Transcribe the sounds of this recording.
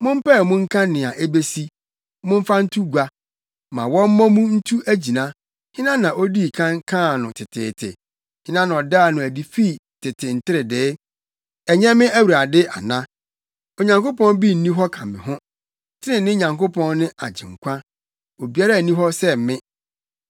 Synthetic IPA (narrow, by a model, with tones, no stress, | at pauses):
mʊ̃˦m̩˦pɛ˦˨mʊ̃˦ŋ̩˦kʰã˦nɪ̃˨a˨ʔe˦be˦si˦ | mʊ̃˦m˦fa˦n̩˦tʰu˦ɡʷa˦ | mã˨wɔ̃˦m̩˦mɔ̃˦mũ˦n̩˦tʰu˦ʔæ˦d͡ʑi˨nã˦ | hɪ̃˦nã˦nã˨ʔo˦di˦˨kʰã˦ŋkʰã˦˨nʊ̃˨tʰɪ˨tʰɪ̰ː˨tʰɪ̰˨ | hɪ̃˦nã˦nã˨ɔ˨daː˦˨nʊ̃˨æ˨di˨fi˦˨ | tʰɪ˨tʰɪ˨n̩˨tʰɪ˦ɾɪ˨dɪː˨˦ | ɛ˨ɲɛ̃˦mɪ̃˦æ˦wu˨ɾa˨dɪ˦ʔa̰˨nã˦ | o˨ɲã˨ŋko˦pɔ̃˦n˦bi˦˨n̩˨nĩ˦ɦɔ˦kʰã˨mɪ̰̃˨ɦʊ̃˦ | tʰɪ˦ɪ̃˨nɪ̃˦ɲã˨ŋko˦pʰɔ̃˦nnɪ̃˦ʔa̰˨d͡ʑɪ̰̃˨ŋ̩˨kʷʰã˦ | o˨bi˨a˦ɾa˦˨nĩ˦ɦɔ˦sɛ˦m˨mɪ̃˦